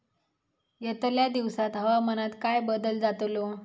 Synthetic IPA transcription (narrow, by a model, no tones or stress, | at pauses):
jət̪ljad̪iʋsat̪ɦəʋamənat̪kajbəd̪əld͡zat̪lo